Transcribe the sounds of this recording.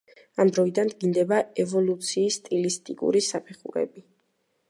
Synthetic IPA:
amd̪ɾɔid̪and̪ɡind̪ɛbaɛvɔlut̪sʰiːst̪ʼilist̪ʼikʼṵɾisapʰɛχṵɾɛ̰bi

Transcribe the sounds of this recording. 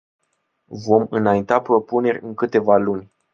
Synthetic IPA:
vo̞mɨnajint̪apɾo̞pune̞rʲɨŋkɨt̪e̞valunʲ

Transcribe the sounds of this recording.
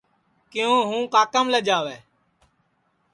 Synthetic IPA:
kɪjõːɦũːkaːkəmləd͡ʒaːʋeː

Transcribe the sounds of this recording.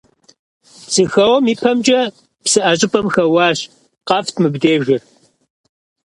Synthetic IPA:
zɨxɐwɐmiːpʰɐmd͡ʒɐ | psɨʔɐɕʼɪpʼɐmxɐwɑːɕ | qɐftʰmɨbdeːʒɪr

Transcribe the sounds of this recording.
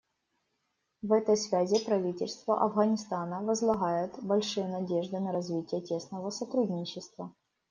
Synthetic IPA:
vɛt̪əjsvʲæzʲɪpɾɐvʲitʲɪlʲst̪vəʔɐvɣɐnʲɪst̪anəvəzlˠɐɣajɪt̪bɐlʲʂɨjənɐdʲe̞ʐd̪ɨnəɾɐzvʲitʲɪjətʲe̞snəvəsɐt̪ɾud̪ʲnʲɪt͡ɕːɪst̪və

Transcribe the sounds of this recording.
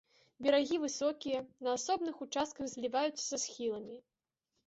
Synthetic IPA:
bʲɛɾaɣʲivɨsɔkʲijɐnɐːsɔbnɨxut͡ʂast̪̚kɐɣzʲlʲivajut̪sːɐ̥sɐsxʲilˠɐmʲi

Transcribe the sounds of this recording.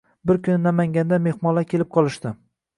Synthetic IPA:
bɪɾkʲʰʊnɪnamaŋʲand̪ame̞hmɒlˠakʲʰelɪp̚qʰɒlˠɪʃt̪ɪ

